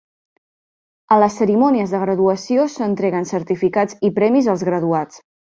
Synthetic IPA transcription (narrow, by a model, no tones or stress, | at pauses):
ələsːəɾimɔniəzðəɣ̞ɾəðuəsiosənt̪ɾɛɣənsəɾt̪ifikad͡zipɾɛmizəlˠzɣɾəðuat͡s